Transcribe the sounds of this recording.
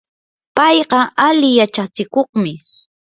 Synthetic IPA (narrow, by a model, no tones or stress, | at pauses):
pɑjɢɑʔalɪjat͡ʃat͡sɪkoχmɪ